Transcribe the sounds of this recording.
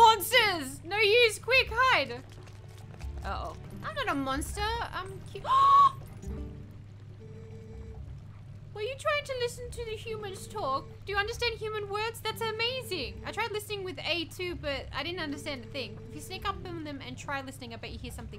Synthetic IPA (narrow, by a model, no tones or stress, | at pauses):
ɑ̃nsəznoʊjʉz̥kʰw̥ɪkhaɪd | ʔo̰ʊʔãɪ̃mnəɾəmɑ̃nstə˞ʌ̃mkʰ | wəljɨtʰɹ̥aɪɪ̃ŋtʰɨlɪsn̩tʰɨðɨhjʉmɨ̃nz̥tʰɔk̚d̥ɨjɨʌ̃ndə˞stæ̃nd̥̚hjʉmɨ̃nwɜ˞dz̥ðætsɨmeɪzɪ̃ŋaɪtʰɹ̥aɪdˡlɪsnɪ̃ŋwɨðeɪtʰʉbʌɾa̰ɪɾɪdⁿn̩tʌ̃ndə˞stæ̃nðɨθɪ̃ŋɪfjɨsneɪkʌp̚ə̃ðɨ̃mɨ̰̃ntʰɹ̥aɪdlɪsnɪ̃ŋaɪbaɨhiɹsʌ̃mθɪ̃